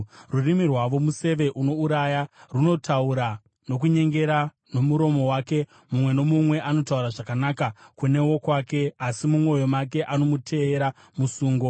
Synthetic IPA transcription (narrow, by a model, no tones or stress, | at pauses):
rurimirwaʋo̞muse̞ʋe̞ʔuno̞uɾajaruno̞tʰauɾa | no̞k̬uɲe̞ŋɡe̞ɾa | no̞muɾo̞mo̞wake̞ | mumwe̞no̞mumwe̞ʔano̞tauɾaʐakanakakune̞wo̞kwaːke̞asimumwo̞jo̞make̞ʔano̞mutʰe̞ːɾa | musuːŋɡo